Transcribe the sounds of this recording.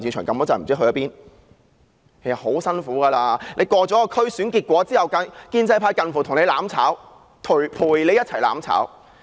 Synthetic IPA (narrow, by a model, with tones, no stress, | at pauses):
niː˧nt͡ʃʰœː˨˩ŋkɐ˨˧mɔː˥t͡saː˨˩m̩˨˩t͡siː˥ɦɵ˧jɐ˥piː˥n | kʰe˨˩jsɐ˨˩ho˨˥wsɐ˥nfuː˨˥ɡaː˧laː˧le˨˧jkɔː˧t͡sɔː˨˥kɔ˧kʰɵ˥ɥsyː˨˥nkiː˧t̚kʷɔː˨˥t͡siː˥hɐ˨wkɐ˧nkiː˥nt͡sɐ˥jpʰaː˥jkɐ˧nfuː˨˩t̪ʰʊ˨˩ŋne˨˧jlaː˨˥mt͡sʰa̰ː˨˥w | t̪ʰu˨˩jpʰuː˨˩jle˨˧jɐ˥t͡sʰɐ˨˩jla̰ː˨˥mt͡sʰa̰ː˨˥w